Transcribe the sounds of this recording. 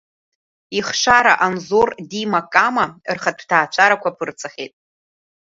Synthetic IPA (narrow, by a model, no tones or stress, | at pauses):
iχʂaɾaʔanzordimakʼamarχatʰtʰaːt͡ʃʷʰʼaɾakʷapʰɨrt͡sʰaχʲḛtʼ